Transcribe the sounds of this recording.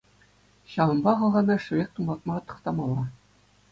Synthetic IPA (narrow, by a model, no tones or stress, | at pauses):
ɕɑɤ̆mbɑʁɑʁɑnɑʂuek̚t̪umbɑt̪̚mɑʁɑt̪ɤ̥̆qt̪ɑmɑlˠɑ